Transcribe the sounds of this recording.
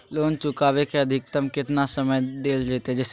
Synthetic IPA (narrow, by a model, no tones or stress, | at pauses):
loːnt͡ʃʊkaːʋekeɐd̪ʱɪk̚t̪əmkɪt̪nasəməjɖ̪eːld͡ʒeːt̪eɦɛ̃d͡ʒɛs